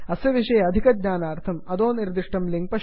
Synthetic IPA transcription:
ɐsjɐʋiʂɐjɐɐd̪ʱikɐd̪̚ɲaːnaːɾt̪ʰɐmɐd̪oːniɾd̪iʂʈɐmliŋɡ̚pɐ

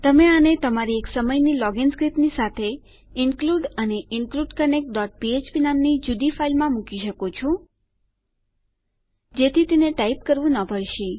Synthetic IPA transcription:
t̪əmeanet̪əmaɾieksəməjnilɔɡɪnskɾipnisat̪ʰe | ɪŋkluɖəneɪŋkluɖkənek̚ʈ̚ɖɔʈ̚piet͡ʃpinamnid͡ʒud̪ifailmãmukiʃəkot͡ʃʰu | d͡ʒet̪ʰit̪eneʈaip̚kəɾʋũnəpəɽʃi

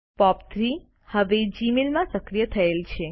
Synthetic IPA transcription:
pɔp̚t̪ʰɾi | həʋed͡ʒimilmãsəkɾijət̪ʰəelt͡ʃʰe

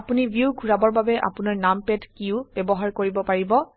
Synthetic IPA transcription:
apunibjuɡʱuɹabɔɹbabɛʔa̰punaɹnampɛdkiʊb̥ɛbɔɦaɹkoɹibɔpaɹibɔ

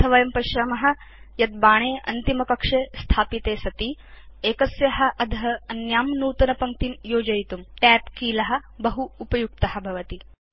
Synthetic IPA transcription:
t̪ʰɐʋɐjɐmpɐʃɾɐmɐɦɐ̆ | jɐt̪̚baːɳ̃eːʔɐ̰nt̪imɐkɐkʂeːst̪ʰaːpit̪eːsɐt̪i | eːkɐsjɐɦɐ̆ʔɐd̪ʱɐɦɐɐnjaːmnuːt̪ɐnɐpɐŋk̚t̪injoːd͡ʒɐjt̪umʈæːpkiːlɐɦɐ̆bɐɦuːpɐjuk̚t̪ɐɦɐ̆bʱɐʋɐt̪i

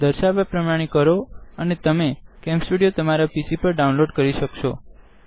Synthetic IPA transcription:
d̪əɾʃaʋapɾəmaɽ̃ikəɾoənet̪əmekɛ̃msʈuɽijot̪əmaɾapisipəɾɖaũnloɖkəɾiʃəkʃo

